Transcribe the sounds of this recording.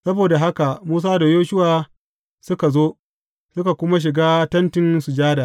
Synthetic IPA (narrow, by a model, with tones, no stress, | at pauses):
sɐ˦boː˨da˨ɦa˦ka˨muː˦s̬aː˦da˨joː˦ʃʊ˦waː˨ | sʊ˦ka˨zoː˦ | sʊ˦ka˨kʷʊ˦ma˦ʃ̬ɪ˨ɡaː˦tɐ˦ntɪ˦nsu˨d͡ʒaː˦da˨